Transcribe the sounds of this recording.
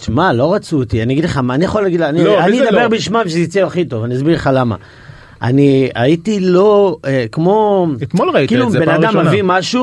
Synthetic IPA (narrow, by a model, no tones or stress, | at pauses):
ʃmalo̞ʁat͡suot̪ianiaɡid̪leχamanija̰χolaɡidlːniannid̪abeʁbiʃmamʃ̬eit͡siaχito̞vaniazbiʁleχalama̰ | a̰nia̰it̪ilo̞ekmo̞et̪molʁaikilubennad̪ammːavimaʃu